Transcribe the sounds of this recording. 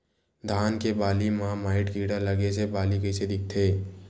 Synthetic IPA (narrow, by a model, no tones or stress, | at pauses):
d̪ʱaːnkebaːlimãmaːɪʈkiːɽalɐɡesebaːlikəɪsed̪ɪk̚t̪ʰeː